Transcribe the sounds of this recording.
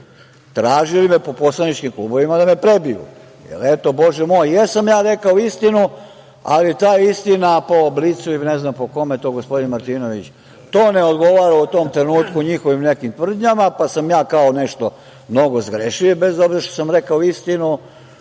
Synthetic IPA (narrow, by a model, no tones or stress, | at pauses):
t̪ɾaːʒilimepo̞po̞slˠanit͡ʃkimklˠṵːbo̞ʋimad̪amepɾe̞bijṵ | jḛlet̪o̞bo̞ʒɛmojjesamjaːɾe̞kaoist̪inu | a̰lit̪aːist̪inapoblit̪suineznampo̞ko̞met̪o̞ːɡospo̞d̪inmaɾt̪iːno̞ʋit͡ɕ | t̪oːneod̪ɡo̞ʋaɾaut̪o̞ːmt̪ɾenuːt̪kuɲixo̞ʋimnekimt̪ʋr̩d̪ɲamapasamjaːkaone̞ʃt̪o̞ | mno̞ɡozɡɾeʃiʋibe̞zo̞bzeɾʃt̪osamɾe̞kaoist̪inu